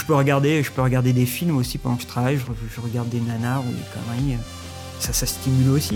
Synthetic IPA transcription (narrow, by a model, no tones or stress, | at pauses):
ʒəpøʁəɡaʁd̪eʒəpøʁəɡaʁd̪ed̪efilmosipãʁd̪ɔ̃kʒə̥t̪χavajʒəʁəʒʒəʁəɡaʁd̪ːenanaʁṵd̪ḛkʰɔ̰ʁiiø | sasast̪imylosi